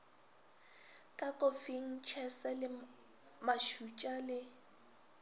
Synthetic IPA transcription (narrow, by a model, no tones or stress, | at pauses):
kʼakʼʊfiŋ̩t͡ʃʰɛsɛlɪ | maʃut͡ʃʼalɪ